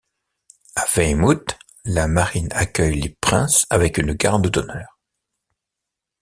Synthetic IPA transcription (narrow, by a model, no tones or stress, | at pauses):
avɛjmut̪ | lamaʁinakʲœjlepχɛ̰̃savɛkynɡaʁd̪əd̪ɔnœːʁ